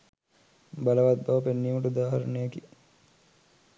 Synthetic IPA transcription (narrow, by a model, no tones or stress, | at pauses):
baləʋat̪̚baʋɐpenːiːmɐʈəd̪aːɦɐɾnejəki